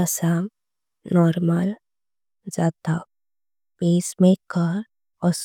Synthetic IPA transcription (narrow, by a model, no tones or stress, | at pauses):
əsam | nɔːɾmal | d͡ʒaːt̪a | peːsmẽkəɾ | ɔs